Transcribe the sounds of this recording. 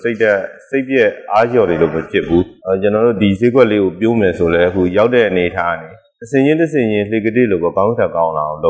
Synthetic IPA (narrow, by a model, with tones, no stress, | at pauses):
se˦ɪtɛ˦˨se˦ɪpjɛ˦a˦jɔ˨de˨lo̰˦˨məpʰjɪ˦pʰːu˦˨t͡ɕə˨nɔ˨ɾo̰˦˨di˨ze˦ɡwɛ˦ʔle˦ɡo˨pjo˦mɛ˨sʰo˨lɛ˦ʔəkʰṵ˦˨ja˦ʊtːɛ˦˨ʔəne˨ətʰa˦˨ne˨ | təsʰɪ̃˨ɲɪ̃˦ntəs̬ʰɪ̰̃˦˨jɪ̃˦l̥e˨ɡə˦dɪ˦˨lo˦˨bɔ˨kã˦ʊ̃ntʰã˨kã˦ʊ̃nla̰˨o˨lo˦